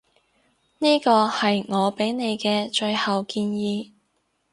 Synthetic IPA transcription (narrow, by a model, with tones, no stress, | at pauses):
niː˥kɔː˧hɐ˨jŋɔː˨˧pe˨˥jne˨˧jkɛː˧t͡ʃɵ˧ɥhɐ˨wkiː˧njiː˨˧